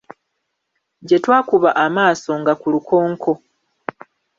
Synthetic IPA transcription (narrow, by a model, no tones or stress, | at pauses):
ɟe̞twaːkuβaʔamaːso̞ŋɡakulukʰo̞ːŋkʰo̞